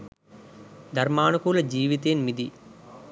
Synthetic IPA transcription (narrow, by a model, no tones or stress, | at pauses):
d̪ʱɐɾmaːnukuːlɐd͡ʒiːʋit̪̬eːnmid̪i